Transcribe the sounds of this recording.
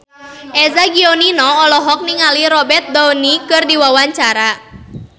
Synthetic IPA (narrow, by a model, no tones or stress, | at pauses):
ʔɛzaɡiɔninɔɔlɔɦɔk̚niŋaliɾɔbɛrt̪̚d̪ɔnikɨrdiwawaɲt͡ʃaɾa